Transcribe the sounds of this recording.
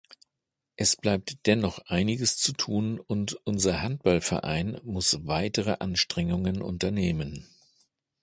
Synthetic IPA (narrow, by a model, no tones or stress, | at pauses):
ʔɛsb̥laɪp̚td̥ɛnɔχʔaɪnɪɡəst͡sutʰuːnʊntʔʊnzɐhant̚b̥alfɛɐʔa̰ɪnmʊsvaɪtəʁəʔanʃtʁ̥ɛŋʊŋənʔʊ̰ntɐneːmən